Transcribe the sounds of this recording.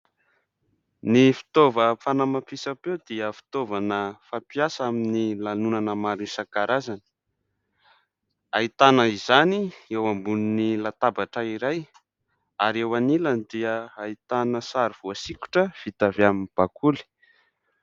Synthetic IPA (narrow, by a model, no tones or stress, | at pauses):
nifi̥t̪ovəfanamapisapewd̪iəfi̥t̪ovanəfapiasaminilanunanəmaɾinsakaɾazanə̥ | ait̪anəizaniewambuninilat̪abaʈ͡ʂəiɾaj | aɾewanilanid̪iəait̪anəsaɾiv̥uasiku̥ʈ͡ʂəv̥it̪aveaminb̥akʰuli̥